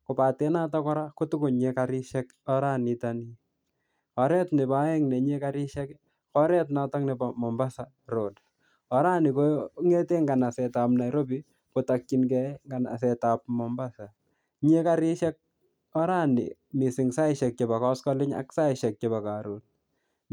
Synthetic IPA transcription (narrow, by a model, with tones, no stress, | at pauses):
ko˨pa˨tɛ˦na˦tɔ˦kɔ˦ɾa˦ku˦tu˦kʊ˨ɲe˦kaɾɪ˦ʃɛ˦k | ɔ˦ɾa˦ni˨tani˦ | ɔ˨ɾɛ˦tnɪ˨pa˨˦ɛ˦ŋnɛ˨ɲe˦ka˦ɾɪ˦ʃɛ˦k | kɔ˦ɾɛ˦t̬na˦tɔ˦ŋni˨pa˨mɔ˨mba˦sa˨ | ro˨d | ɔ˨ɾa˦ni˨ko˦ŋe˦te˦ŋɡa˨na˨sɛ˨ta˨pna˨jɾo˦bi˦ | ko˨ta˨k̚t͡ʃi˨nkɛ˦ŋɡa˨na̰˨s̬ɛ˨ta˨p̚mɔ˨mba˦sa˨ | ɲe˦ka˦ɾi˦ʃɛ˦k̚ | ɔ˦ɾa˦nḭ˨ | mi˨sɪ˨ŋsa˦ɪʃɛ˨k̚t͡ʃe˨ba˨kɔ˦skɔ˦lɪ˦ɲa̰˦ksa˦ɪ˨ʃɛ˨k̚t͡ʃe˨ba˨ka˨ɾo˨n̚